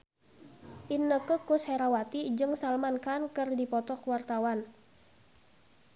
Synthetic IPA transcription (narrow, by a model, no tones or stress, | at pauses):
ʔinːəkəkʊshɛɾawat̪id͡ʒəŋsalmankankɨrdipɔt̪ɔkwart̪awan